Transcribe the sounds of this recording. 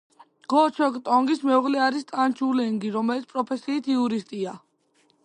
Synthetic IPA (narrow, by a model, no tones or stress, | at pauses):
ɡ̥ɔt͡ʃʰɔkʼt̪ʼɔŋɡismɛuʁlɛaɾist̪ʼant͡ʃʰulɛŋɡiɾɔmɛlit̪pʼɾɔpʰɛsiːt̪ʰiuɾist̪ʼia